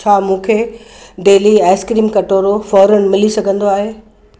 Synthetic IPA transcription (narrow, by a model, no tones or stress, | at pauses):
t͡ɕʰaːmũːkʰeː | ɖeːliɛːskɾiːmkɐʈoːɾofɔːɾən̆mɪlisɐɡʱə̃nd̪oaːɦeː